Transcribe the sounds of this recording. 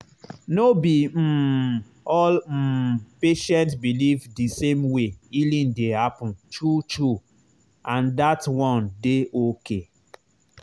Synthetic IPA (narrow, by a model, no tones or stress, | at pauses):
nobim̩ | ɔl̩peʃɛ̃ntsbilivdisẽmweilĩndehapɔ̃ntutu | ãndatwɔ̃ndeʔoke